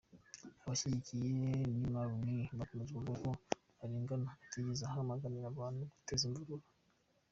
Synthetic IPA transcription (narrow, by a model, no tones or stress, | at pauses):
waʃiɾikʰijenimaɾumimakomezuluko | aɾiŋɡanaakiɡizahamaŋɡanijaβanuku̥teziɱvuɾuɾa